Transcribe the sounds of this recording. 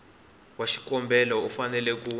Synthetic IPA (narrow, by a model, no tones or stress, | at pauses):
waʃi̥kɔmbʱɛlɔɔfanɛlɛk̬uː